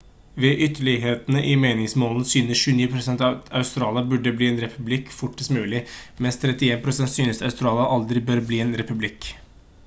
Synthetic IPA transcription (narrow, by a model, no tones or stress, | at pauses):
ʋɛʔʏt̪ːəɭɪɦeːt̪nəʔɪmeːnɪŋsmoːln̩əsyːnəsʃʉːəniːpʰɾʊsɛnt̪ɑɑʉst̪ɾɑːljɑbʉɖːəbliːɛːnɾɛpʰʉblɪkfʊʈːəsmʉːlɪmɛnst̪ʰɾɛt̪ɪeːnpʰɾʊsɛnt̪syːnəsɑʉst̪ɾɑːlɑʔɑld̪ɾɪbøːɾbliːeːnɾɛpʉblɪk